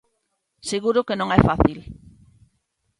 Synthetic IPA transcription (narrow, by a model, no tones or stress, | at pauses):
seɣ̞uɾokenõŋɛfaθil